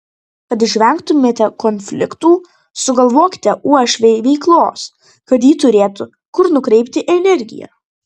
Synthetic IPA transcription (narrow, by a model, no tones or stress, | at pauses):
kɐt̪ɪʃʲʋʲɛˑŋkt̪ʊmʲeːt̪ʲɛkɔnʲfʲlʲɪ̰kt̪uː | sʊɡɐlˠʋoːkʲɪ̥t̪ʲɛʔuɔʃʲʋʲɛɪʋʲɛɪklˠoːs | kɐt̪jiːt̪ʊɾʲeːt̪ʊ | kʊɾnʊkɾʲɛɪpʲt̪ʲɪʔɛnʲɛɾʲɡʲɪ̰jɛ̰ː